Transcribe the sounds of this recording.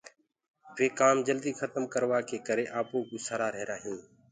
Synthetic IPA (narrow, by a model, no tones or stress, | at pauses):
ʋeːkaːmd͡ʒəld̪iːxʰət̪əmkəɾʋaːkeːkəɾeːʔaːpoːɡuːsaːɾaːɾeɦɾaːɦijũː